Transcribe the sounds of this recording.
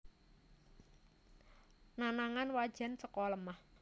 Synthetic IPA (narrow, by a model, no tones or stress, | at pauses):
nanaŋanwad̥ʒ̥a̤nt͡ʃəkɔləmah